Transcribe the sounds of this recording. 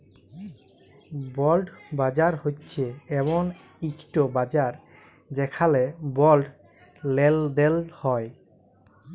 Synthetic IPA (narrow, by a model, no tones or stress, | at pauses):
bɔlɖbad͡ʑaɾhotːɕʰeɛbon | ikʈobad͡ʑaɾ | d͡ʑekʰalebɔlɖ | leld̪elhɔe